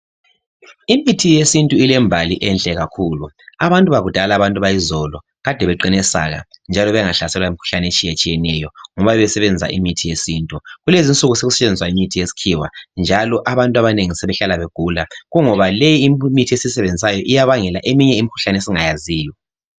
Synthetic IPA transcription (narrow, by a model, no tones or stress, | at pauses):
imitʰijesintʼuilɛmbʱaliʔɛnɬʼɛɣakʰulu | aβantʼuβaɣud̥ʱalaβantʼuβajizɔlɔ | ɣad̥ʱɛβɛǃinɛsa̰ɣa̰nd͡ʒʱalɔβɛŋaɬasɛlwaimikʰu̥ɬanɛet͡ʃʼijet͡ʃʼijɛnɛjɔŋɔβaβɛβɛsɛβɛnd͡zʱa̰ʔḭmitʰijesiːntʼuɣulezint͡sʼuɣuseɣusɛt͡ʃʼend͡zʱiswaimitʰijesi̥kʰiwa̰nd͡ʒʱalɔʔaβantʼaβaneŋisɛβɛɬalaβeɡ̥ʱulaɣuŋɔβalejiːmmitʰiesisɛβend͡zʱisajɔʔijaβaŋɛlaʔemiɲɛimikʰu̥ɬanesiŋajaziːjɔ